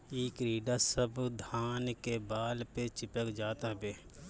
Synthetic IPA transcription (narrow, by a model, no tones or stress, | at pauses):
eːkɾiːɖasəbd̪ʱaːnkebaːlpet͡ʃɪpəkd͡ʒaːt̪aɦbeː